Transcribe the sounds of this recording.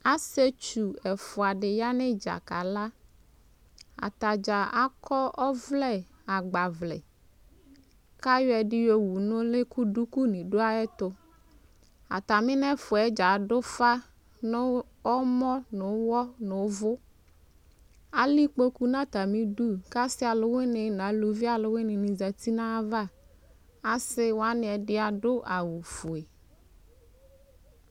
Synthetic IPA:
a˦se˦t͡ʃu˨ɛ˨fʊ˨a˨ɖɪ˨ja˦nẽ˦d͡ʒa̰˨ka˨la˦ | a̰˨t̪a˨d͡ʒa˨a˦kɔ˦ʔɔ˦vlɛ˦ | a˨ɡ͡ba˨vlɛ̰˨ | ka˦jɔ˦ɛ˨ɖi˦jo˦wu˨nʊ̃˦le˦ku˦ɖu˦ku˦nĩ˨ɖo˦a˦ɛ˦t̪ʊ˦ | a̰˨t̪a˨mĩ˦nɛ̃˦fʊ˨ɛ˨˦d͡ʒa˨ɖo˦fa˦ | nʊ˦ | ɔ˦mɔ̃˦nʊ̃˨˦wɔ˦nʊ̃˨˦vʊ˦ | a˦li˦k͡po˦ku˦nã˦t̪a˨mĩ˦du˦ka˦sɪ˦a˨lʊ˦we˦nɪ˨nã˨˦lu˨vi˦a˨lʊ˨˦we˦nɪ̃˨nĩ˨za˨t̪i˦nã˦va˦ | a˦sɪ˦wo˨a˦nɪ̃˨ɛ˨dɪ˦a˨ɖʊ˦ʔa˨wu˨fu˨e˨

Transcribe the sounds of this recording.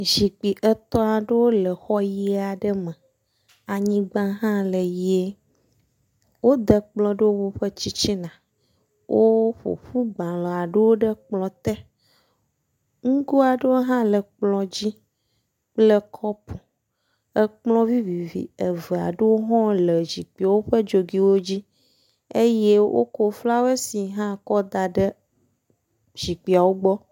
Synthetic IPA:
zi˨k͡pi˨ʔə˦t̪ɔ˦a˨ɖə˦wo˦lə˨xɔ˦ji˦a˨ɖə˦mə̃˨ | a˨ɲĩ˦ɡ͡bã˦ɦã˦lə˨ji˨e˦ | wo˦d̪ə˦k͡plɔ̃˦ɖə˦wo˦wo˦ɸə˦t͡ɕi˦t͡ɕi˦nã˨ | wʔo˦ɸo̰˨ɸu˦ɡ͡bã˨lɔ̃˨a˨ɖə˦wo˦ɖə˦k͡plɔ̃˦t̪ɛ˦ | ŋ̩˦ɡo˦a˨ɖə˦wo˦ɦã˦lə˨k͡plɔ̃˨d͡ʑi˦ | k͡plə˦kʰɔ˦pu˨ | ə˦k͡plɔ̃˦vi˦vi˨vḭ˨ə˨və˨a̰˨ɖə˦wo˦ɦɔ̃˦lə˨d͡ʑi˨k͡pi˨a˨wo˦ɸə˦d͡ʒo˨ɡi˦wo˦d͡ʑi˦ | e˦je˦wʔo̰˦ko˦fla˦wo˦e˦si˨ɦã˦kɔ˦d̪a˨ɖə˦ | d͡ʑi˨k͡pi˨a˨wo˦ɡ͡bɔ˦

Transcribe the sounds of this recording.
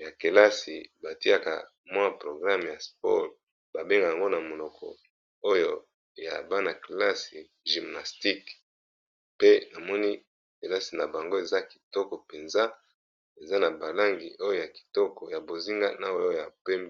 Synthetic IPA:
ja˨ke˨la˦si˨ba˨ti˦a˨ka̰˨ | mwã˦pʁo˨ɡʁa˦mja˨sp̚ɔ̰˦l | b̥a˨be˦ŋɡa˨ja˨ŋɡo˦na˨mo˨lɔ˨kʰɔ̰˨ | o˦jo˦ | ja̰˨ba˦na˨kla˦si˨ | ʒi˨mna˨sti˦k | pe˦na˨mɔ˦ni˦ | ke˨la˦si˨na˨ba˨ŋɡo˦e˨za˦ki̥˨tɔ˦kɔ˨pe˨nza˦ | e˨za˦na˨ba˨la˦ŋɡi˨ʔo˦jo˦ja˨ki̥˨tɔ˦kɔ˨ja˨bo˨zi˦ŋɡa̰˦na˦o˦o˦ja˨pe˦mb

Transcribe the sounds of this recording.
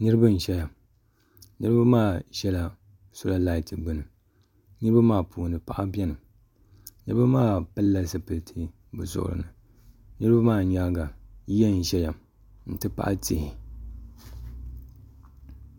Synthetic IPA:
nɨ˦ɾɨ˦bɨ˦n̩˨ʃɛ˦ja˨m | nɨ˦ɾɨ˦ba˦maː˦˨ʒɛ˦la˨ | sʊ˦la˦la˦i˨tɨ˨ɡ͡bɨ˨nɨ˨ | nɨ˦ɾɨ˦ba˦maː˦˨pʰuː˨nɨ˨pa˨ʔa˦bɛ˦nɨ˨ | nɨ˦ɾɨ˦ba˦maː˦pɨ˦lːa˦sɨ˨pɨ˨ltʰi˦ | bɨ̰˨zʊ̰˨ʔʊ̰˨ɾɨ̰˨nɨ˨ | nɨ˦ɾɨ˦ba˦maː˦˨ɲa˦ɡa˨jɛ˦n̩˨ʃɛ˦ja˨m | n̩˨tɨ˦pa̰˦ʔa̰˦ti˨hi˨

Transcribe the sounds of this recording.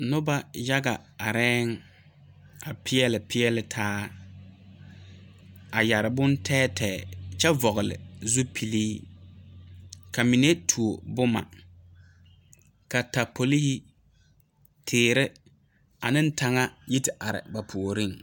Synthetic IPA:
nʊ˦ba˦ja˦ɡa˨ | a˨ɾɛː˦ŋ˦ | a˨pʰɪ˦ɛ˦lɪ˨pʰɪ˦ɛ˦lɪ˨tʰaː˦ | a˨ja˨ɾɪ˨bʊ˦ntʰɛː˦tʰɛː˨t͡ʃɛ˦vɔ˨ɣʊ˨lɪ̰˨zu˦pʰi˨liː˦ | ka˨mi˨ne˦tʰu˨o˨bʊ˦ma̰˨ | ka˨ta˨pʰo˨li˦hi˦ | tʰeː˨ɾɪ˦ | a˨nɪ˦n̩˦tʰa˨ŋa˦ji˦tɪ˨ʔa˨ɾɪ̰˨ba˨pʰu˨o˨ɾi˦ŋ

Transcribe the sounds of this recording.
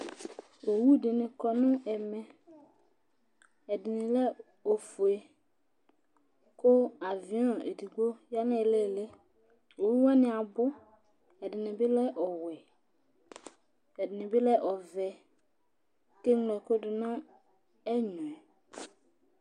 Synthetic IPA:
o˨wu˦˨dɪ˨nɪ̃˨kɔ˨nʊ̃˦ʔɛ˨mɛ̃˨ | ɛ˨dɪ˨nɪ̃˨lɛ˦ | o˨fu˨e˨ | kʊ˦a˨vɪ˨˦ɔ̃˨ḛ˨di˨ɡo˦ja˦nɪ̃˦˨le˦˨le˦ | o˨wu˦wɛ˦nɪ̃˨a˨bʊ˦ | ɛ˨dɪ˨nɪ̃˨bɪ˦lɛ˦ʔɔ˨wɛ˨ | ɛ˨dɪ˨nɪ̃˨bɪ˦lɛ˦ʔɔ˨vɛ˨ | ke˦ŋlɛ˨kʊ˦dɪ˨nɔ̃˦ | ɛ˦ɲɔ̃˨ɛ˨

